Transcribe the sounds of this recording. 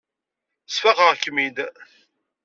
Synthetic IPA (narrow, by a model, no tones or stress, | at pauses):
sfæʁəʁkːmid̪